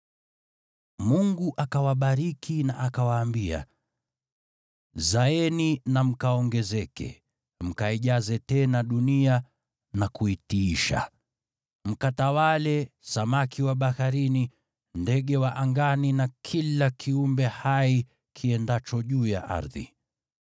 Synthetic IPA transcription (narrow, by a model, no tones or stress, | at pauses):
muŋɡuʔakawaɓaɾikʰinaʔakawaːmbia̰ | zaɛninam̩kaɔŋɡɛzɛkɛ̰ | m̩kaiʄazɛtɛnaɗunia | nakuitiiʃa̰ | m̩katawalɛsamakʰiwaɓahaɾini | ndɛɠɛwaʔaŋɡaninakʰilakʰiumbɛhai | kʰiɛndat͡ʃɔʄuːja̰ʔa̰ɾðḭ